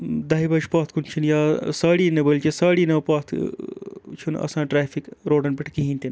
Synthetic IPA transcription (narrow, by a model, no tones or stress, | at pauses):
d̪ɐɦibɐd͡ʒpaːt̪̚ʰkunt͡ʃʰunjaːsaːɽiːnɐbɐlt͡ʃisaːɽiːnɐpaːt̪ʰ | t͡ʃʰunɐ̰sãːʈɾaːfʰikɾoːɖɐnpiʈʰkiɦĩːnʲt̪in